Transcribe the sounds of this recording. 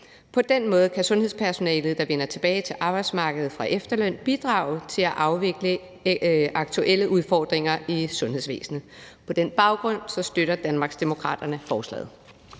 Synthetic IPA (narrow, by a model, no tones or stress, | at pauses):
pʰɒ̽d̥enmɔ̽ːð̞̩ˠkʰæsɔ̽nhḛspʰæɐso̝nɛ̰ːlð̩ˠd̥ɑ̈ʋenɐt͡sʰe̝b̥ɛːɪt͡sʰe̝lʔɑ̈ːb̥ɑ̈ɪd̥smɑ̈ːɡ̥əð̩ˠfʁɑ̈ʔefd̥ɐlœn̰b̥id̥ʁɑ̈ːʊt͡sʰe̝læʔɑ̈ʊʋe̝ɡ̥lə | ɑ̈ɡ̥̚t͡sʰuʔeləʔuð̞ˠfɒːd̥ʁeŋɐisɔ̽nhe̝ðˠs̬ʋḛːsnəpʰɒ̽d̥enb̥ɑ̈ʊɡ̥ʁɔ̽n̰sɒ̽sd̥øɾɐd̥ænmɑ̈ːɡ̥sd̥emo̝kʰʁɑ̰̈ːd̥ɐnəfɒːslɛ̰ːð̩ˠ